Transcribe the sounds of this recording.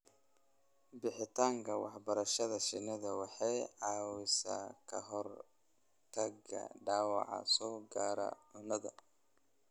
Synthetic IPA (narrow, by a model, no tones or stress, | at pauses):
bɪħɪt̪ʰaːŋkʰɐwɑ̰ħbɐɾɐʃɐðɐʃɪnɐðɐwɑħɑjʕɑːwɪsɐ̰kʰɐɦɔr | t̪ʰɐɡɐ̰ɖaːwɑ̰ʕɑ̰sɔːɡaːɾɐ̰ʕʊnɐðɐ̰